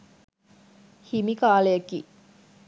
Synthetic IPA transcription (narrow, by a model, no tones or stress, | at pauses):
himikaːlejkḭː